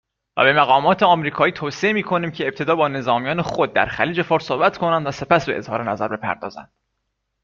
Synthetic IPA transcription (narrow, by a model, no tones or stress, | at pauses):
væ̰be̞mæɣɒːmɒːt̪ʰe̞ɒmɾiːkʰɒːiːt̪ʰoːsiemiːkʰo̞niːmcʰe̞ːp̚t̪ʰe̞d̪ɒːbɒːne̞zɒːmijɒːne̞xod̪̚ːæ̰ɾxæ̰liːd͡ʒe̞fɒːɾsoːbæt̪ʰkʰo̞nænd̪væse̞pæsbe̞ʔḛz̥hɒ̰ːɾenæzæɾbe̞pʰæ̰ɾd̪ɒ̰ːzæ̰nd̪̥